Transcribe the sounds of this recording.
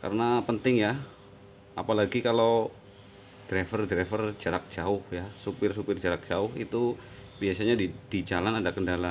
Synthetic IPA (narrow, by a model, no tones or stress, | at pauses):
ka̰ɾənapənt̪ɪŋja | apalaɡikalo | d̥ɾɛfərdɾɛfərd͡ʒaɾak̚d͡ʒaʊhjasupɪrsupɪrd͡ʒaɾak̚d͡ʒaʊhit̪ubiasaɲadid̥id͡ʒalanadakəndala